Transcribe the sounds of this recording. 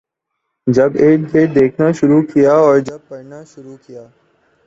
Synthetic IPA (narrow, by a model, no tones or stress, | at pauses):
d͡ʒəbeːʈkeːʈ̚d̪eːkʰnaːʃʊɾuːkijaːɔːɾd͡ʒɐb̚pɐɽnaːʃʊɾuːkɪjaː